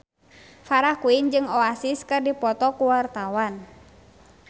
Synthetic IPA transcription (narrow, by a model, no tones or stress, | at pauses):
faɾahkuind͡ʒɨŋɔasiskɨrdipɔt̪ɔkuwart̪awan